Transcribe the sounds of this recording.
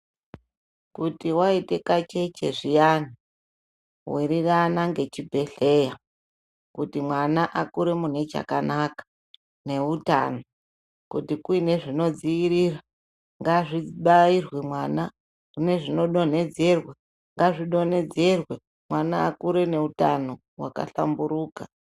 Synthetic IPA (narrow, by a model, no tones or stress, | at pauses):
kutiwaite̞kat͡ʃe̞t͡ʃe̞ʐijani | wiɾiranaŋɡe̞t͡ʃibʱe̞ɬe̞ːja | kutimwanaʔakuɾemun̤e̞t͡ʃa̰ka̰nakḁ | ne̞uta̰no | kutikuine̞ʐino̞d͡ziiɾira | ŋɡaʐiɓairwemwana | kune̞ʐino̞ɗo̞n̤e̞d͡ze̞rwe | ŋɡaʐiɗo̞ne̞d͡ze̞rwe | mwanaːkuɾe̞ne̞uta̰no | wa̰ka̰ɬa̰mbuɾuːka